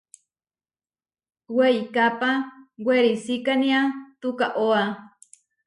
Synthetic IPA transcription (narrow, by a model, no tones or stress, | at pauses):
weikapaweɾisikaniat̪ukaʔoa